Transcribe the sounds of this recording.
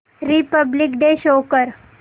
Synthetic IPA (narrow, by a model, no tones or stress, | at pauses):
ɾipəblikɖeɕokəɾ